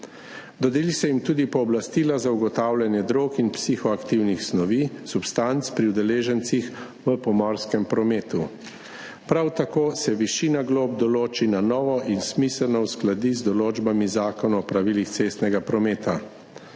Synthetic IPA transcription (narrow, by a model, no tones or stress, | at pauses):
d̪ɔd̪ilisɛjimt̪uːd̪ipɔːblast̪iːlazauɡɔt̪aːwlʲjanjɛd̪ɾokinpsixɔakt̪iwnixsnɔʋiːsupst̪ant̪spɾiuwd̪ɛleːʒɛnt̪six | ʋəpɔmɔɾskɛmpɾɔmeːt̪u | pɾawt̪akoːsɛʋiʃiːnaɡloːbd̪ɔloːt͡ʃinanɔːʋɔʔinsmisɛlnɔwsklad̪izd̪ɔloːd͡ʒbamizaːkɔnaɔpɾaʋiːlixt̪seːst̪nɛɡapɾɔmeːt̪a